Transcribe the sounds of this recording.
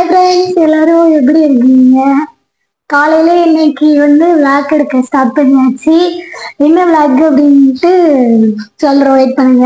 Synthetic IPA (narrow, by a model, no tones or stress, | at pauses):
ɐpɾɐɪnsɛlːaːɾɯʊ̃ɛp̬ːɐɽiɪɾɯkːɯŋɡɐ | kaːlɐjɪleːɛnːɐkːɯʋɐnd̪ɯflaːkɛɽɯkːɐsʈaːp̚pɐnːiaːʈt͡ʃːiɛnːɐʋɭaːkɐpːɐɽɪnʈːɯ | sɔlɾɐʋeːʈ̚pɐɳːɯŋɡɐ